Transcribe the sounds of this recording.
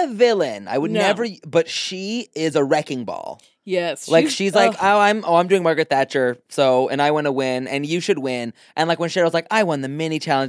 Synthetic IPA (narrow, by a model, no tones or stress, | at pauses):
ɨvɪlˠɨ̃na̰ɪwəddⁿnɛvə˞bʌtʃiɪzəɹɛkɪ̃ŋbɔ̰lˠ | jɛslaɪkʃizlaɪkoʊãɪ̃mo̰ʊãɪ̃mdʉɪ̃ŋmɑɹɡɹɨt̪̚θæt͡ʃə˞soʊɨ̰̃naɪwɑ̃nəwɪ̃nɨ̰̃njɨʃɨd̚wɪ̃n | ʔɨ̃nlaɪkwɨ̃nʃɛɹwʌzlaɪkaɪwɑ̃nðɨmɛnit͡ʃʰælˠə̃n